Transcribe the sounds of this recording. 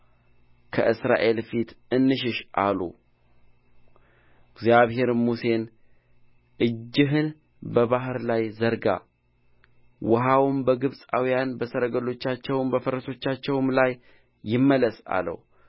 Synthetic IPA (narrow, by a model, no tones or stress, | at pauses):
kʰə̰ʔɨsɾa̰ʔe̞lfit̪ɨnːɨʃ̬ɪʃʔalṵ | ɡzjaβhe̞ɾmuse̞n | ʔɨd͡ʒːɪɦɨn | bəβaɦɨɾlajzəɾɡa̰ | wəɦawumbəɡɨβsʼawijanbəsəɾəɡəlo̞t͡ʃːat͡ʃːɛwmbəfəɾəso̞t͡ʃːat͡ʃːɛwmlajː | ɪmːələsa̰lə̰w